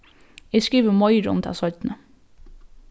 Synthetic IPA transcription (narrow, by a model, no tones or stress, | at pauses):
æskiːʋəmɔʏɾɔ̰nt̪ʰæ̰ːsɔʏt̪n̩ə